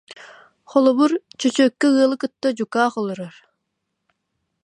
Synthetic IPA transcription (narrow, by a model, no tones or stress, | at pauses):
χɔlˠɔβuɾt͡ʃœt͡ɕøːkːɛɯɐlˠɯkɯt̪ːad͡ʑukaːχɔlˠɔɾɔɾ